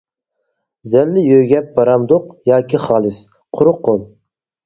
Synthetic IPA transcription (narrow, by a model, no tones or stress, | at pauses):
zɛlːɪjøjɡʲɛp̚bɑɾɑmd̪oqjɑːkʲʰiχɑːlˠɨs | qʰʊɾʊqʰːolˠ